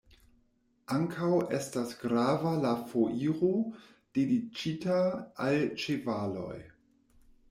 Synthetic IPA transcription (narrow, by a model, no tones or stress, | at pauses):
ʔaŋkʰawe̞stasɡɾavalafoʔiɾo | d̥edit͡ʃitaalt͡ʃevalo̞̰j